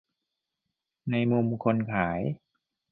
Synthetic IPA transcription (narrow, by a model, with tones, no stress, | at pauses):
na˧jmu˧mkʰo˧nkʰaː˩˦j